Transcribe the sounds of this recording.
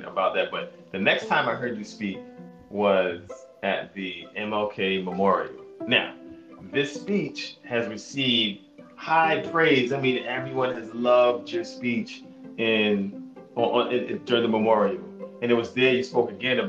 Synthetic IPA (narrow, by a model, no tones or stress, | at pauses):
ə̰baʊt̪̚ðɨt̚b̥ʌt̪̚ | ðɨnɛkstʰãɪ̃maɪɦɜ˞d͡ʒɨspik̚ | wʌzɨt̪̚ðiɛ̃mɛlˠkʰeɪməmɔɹḭl̩ˠnaʊðɪspit͡ʃhɨzɹɨsivd̥̚haɪpʰɹ̥eɪdzaɪmĩnɛvɹiwʌ̃nɨzlʌvd͡ʒə˞spit͡ʃ | ɪ̃nʔɪdʊɹɪ̃ŋðəməmɔɹil̩ˠɨ̃nɨt̚wʌzðə˞jɨspoʊkɨɡɛ̃nɨ